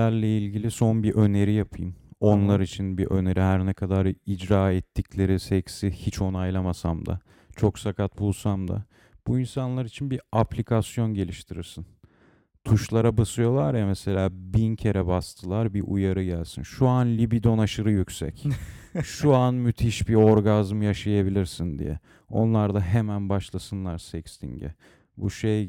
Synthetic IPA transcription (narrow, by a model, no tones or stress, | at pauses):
æɾlʲɛilʲɟilʲiso̞nbiʔø̞ne̞ɾijapʰɯjɯmo̞nlˠaɾit͡ʃʰinbiʔø̞̰ne̞ɾiɦæɾnɛkʰad̪aɾid͡ʒɾaːɛt̪ʰːiclʲe̞ɾisɛcsihit͡ʃʰo̞najlˠamasamd̪a̰ | t͡ʃʰo̞ksakʰat̪̚bulˠsamd̪a̰ | b̥uinsanlˠaɾit͡ʃʰinbiaplʲikʰasjo̞nɟe̞lʲiʃt̪ʰiɾiɾsin | t̪ʰuʃlˠaɾabasɯjo̞lˠaɾjamese̞lʲaːbincʰe̞ɾɛbast̪ʰɯlˠaɾbiʔujaɾɯɟælʲsinʃuanlʲibid̪o̞naʃɯɾɯjycʲsɛ̰k | ʃuanmyt̪ʰiʃbio̞ɾɡazmjaʃajabilʲiɾsind̪ḭjɛ̰ | o̞̰nlˠaɾd̪aɦemænbaʃlˠasɯnlˠaɾsɛcst̪ʰḭɲɟɛ̰ | bṵʃej